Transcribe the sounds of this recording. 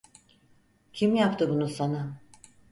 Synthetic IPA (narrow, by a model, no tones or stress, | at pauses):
cʰimjapt̪ʰɯbunusana